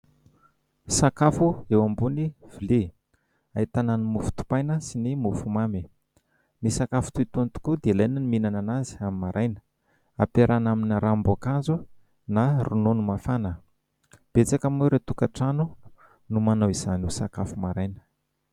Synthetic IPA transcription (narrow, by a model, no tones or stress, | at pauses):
sakafuewambuniv̥ili | ait̪ananimufu̥t̪u̥pajnəsinimufumami | nisakafu̥t̪uit̪unt̪u̥kud̪eilajnəniminananazi̥amimaɾʔajnə̥ | a̰peɾʔanaminɾambakazu | narunonumafanə | b̥et͡sakamuɾet̪ukaʈ͡ʂanu | numanawiz̥anusakafumaɾajnə̥